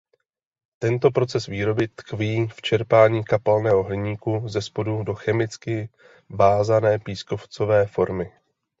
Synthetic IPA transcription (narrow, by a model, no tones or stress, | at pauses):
t̪ɛnt̪o̞pɾo̞t͡sɛsviːɾo̞bɪt̪kviːft͡ʃɛɾpaːɲiːkapalnɛːɦoɦlɪɲiːkuzɛspo̞dudo̞xɛmɪt͡skɪ | vaːzanɛːpiːsko̞ft͡so̞vɛːfo̞ɾmɪ